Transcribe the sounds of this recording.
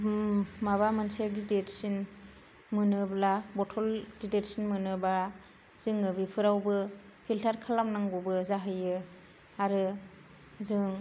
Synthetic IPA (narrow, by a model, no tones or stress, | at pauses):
maβamɯnseɡidetsin | mɯnɯblabɔtʰɔlɡideɾsinmɯnɯba | z̥ɯŋɯbipʰɯɾawbɯ | pʰiltʰaɾkʰalamnaŋɡubɯzaɦɯjɯ | aɾɯ | zɯŋ